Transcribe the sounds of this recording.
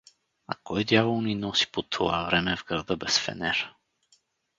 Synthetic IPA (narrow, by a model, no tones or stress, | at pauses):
a̰kɔjd̪javolˠninɔsi̥pot̪ʰova̰vɾɛmɛvɡɾad̪ɤbɛsfɛ̰nɛɾ